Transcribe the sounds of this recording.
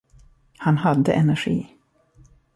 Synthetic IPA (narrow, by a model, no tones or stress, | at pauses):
hanɦad̪ːə̰ʔɛnæɧḭː